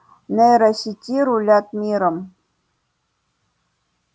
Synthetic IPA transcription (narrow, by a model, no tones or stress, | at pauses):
neɾaɕitʲiɾulʲat̪̚mʲiɾəm